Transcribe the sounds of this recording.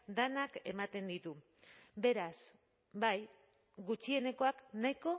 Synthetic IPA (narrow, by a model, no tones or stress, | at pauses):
d̪anake̞mat̪e̞nd̪it̪u | be̞ɾas | baj | ɡut͡ʃie̞ne̞ko̞aknaiko̞